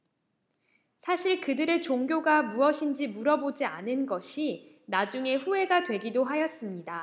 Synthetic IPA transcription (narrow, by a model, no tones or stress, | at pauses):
sʰaɕʰiɭkɯdɯɾet͡ɕoŋɡjoɡamuʌɕʰind͡ʑimuɾʌbod͡ʑia̰nɯnɡʌɕʰi | nad͡ʑuŋe̞ɸue̞ɡadwe̞ɡidoɦajʌs͈ɯmɲida